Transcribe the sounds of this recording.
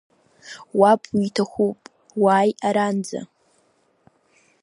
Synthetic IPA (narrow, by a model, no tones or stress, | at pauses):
wapʰiitʰaχʷupʼ | waːjaɾand͡za̰